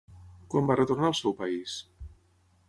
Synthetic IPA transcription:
kwambarət̪urnaəlˠsɛwpəis

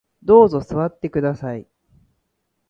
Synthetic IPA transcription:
d̪o̞ːzo̞sɨβat̪ːe̞kɯ̟d̪asai

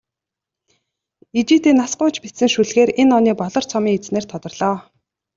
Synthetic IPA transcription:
it͡ɕiːt̪eːnasɢʊːt͡ɕpit̪sɘ̆ŋʃuɮɣeːɾenɔniːpɔɮɞ̆r̥t͡sʰɔmiːŋet͡sneːrt̪ʰɔt̪ɞ̆rɮ̥ɔː

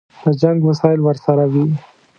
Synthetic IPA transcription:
d̪əd͡ʒaŋɡwasɑɪlwəɾsaɾawi

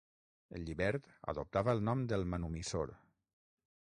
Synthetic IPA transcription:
ə̰lʎiβɛɾt̪ə̰ðup̚t̪aβəəlˠnɔmd̪əlˠmənumiso̰ɾ

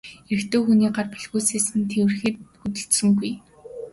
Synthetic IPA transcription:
er̆xt̪oːxuniːɢarpæɮɣuːseːsɘ̆nt̪ʰew̆rxɘ̆t̪̚xut̪ɵ̆ɬt̪sɵ̆ŋɡuj

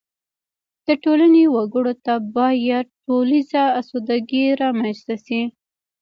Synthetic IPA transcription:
d̪̥əʈolanewaɡəɽot̪abɑjad̪̚ʈolizaːsod̪aɡiɾɑmanzt̪asi

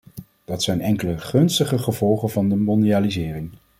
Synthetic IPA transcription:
d̥ɑtsɛjnɛŋkələχɵnstəχəχəv̥ɔlˠχəvɑndəmɔndiaːlizɪːrɪŋ

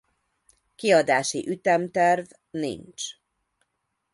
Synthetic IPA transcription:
kiɒd̪aːʃḭʔyt̪ɛmt̪ɛrv | nḭnt͡ʃ

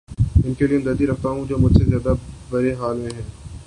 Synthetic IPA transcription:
ɪnkelieɐmd̪əɾt̪iɾɐkʰt̪aɦũd͡ʒoːmʊd͡ʒʱsezjaːd̪abɐɾeɦaːlmẽɦɛ̃ː

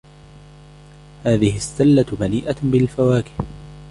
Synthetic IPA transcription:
haːðɪhɪst̪alːamaliːʔabɪlfawaːkɪ̥h

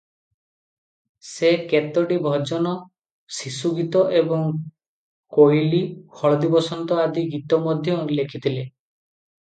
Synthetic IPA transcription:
seket̪ɔɖibʱɔd͡ʒɔnɔ | sisuɡit̪ɔʔebɔŋ | kojliɔɭɔd̪ibɔsɔnt̪ɔad̪iɡit̪ɔmɔd̪ʱjɔlekʰit̪ʰile

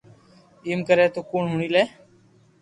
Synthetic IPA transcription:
iːmkəɾeːt̪oːkuːɳɦʊːɳiːleː

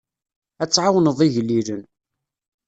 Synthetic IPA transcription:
æt͡sːʕawnəðˤiʝəlːilən

